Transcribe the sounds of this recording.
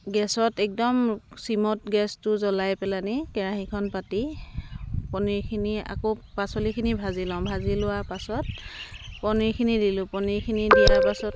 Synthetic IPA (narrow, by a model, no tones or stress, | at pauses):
ɡɛsɔtɛk̚dɔmsimɔtɡɛstʊzɔlajpɛlanikɛɹaxikʰɔnpati | pɔniɹkʰinia̰kopasɔlikʰinibʱazilɔ̃bʱazilʊapasɔt̚pɔniɹkʰinidilʊ̃pɔniɹkʰinidiɛapasɔt